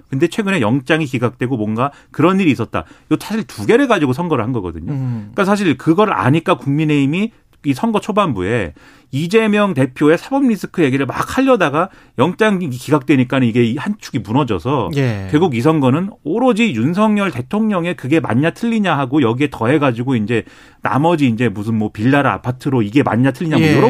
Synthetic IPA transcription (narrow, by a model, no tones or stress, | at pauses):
kɯnde̞t͡ɕʰwe̞ɡɯne̞jʌŋt͡ɕ͈aŋikiɡak̚t͈we̞ɡomwʌnɡa | kɯɾʌnːiɾiːs̬͈ʌt̚t͈a̰josʰaɕʰiɭtuɡe̞ɾɯɭɡad͡ʑiɡosʰʌŋɡʌɾɯɭhanɡʌɡʌ̰dɯ̰ɲoik͈asʰaɕ̬ʰiɭkɯɡʌɾɯɭa̰ɲik͈akuŋmine̞imi | isʰʌŋɡʌt͡ɕʰobambṵe̞ | id͡ʑe̞mjʌŋte̞pʰjoe̞sʰabʌmɲis͈ʰɯ̥kʰɯje̞ɡiɾɯɭma̰k̚ʰaʎːʌdaɡa | jʌŋt͡ɕ͈aŋikiɡak̚t͈we̞ɲik͈anɯniɡe̞ihant͡ɕʰuɡimunʌd͡ʑʌ̰sʰʌjkweɭɡuɡis̬ʰʌŋɡʌnɯnoɾod͡ʑijuns̬ʰʌŋɲʌɭte̞tʰoŋɲʌŋe̞kɯɡe̞ma̰ɲːatʰɯʎːiɲaɦaɡojʌɡie̞tʌɦe̞ɡad͡ʑiɡoind͡ʑe̞ | na̰mʌd͡ʑiːnd͡ʑe̞mus̬ʰɯnmwʌpiɭːaɾɯa̰pʰatʰɯɾoiɡe̞ma̰ɲːatʰɯʎːiɲaɡodoɾo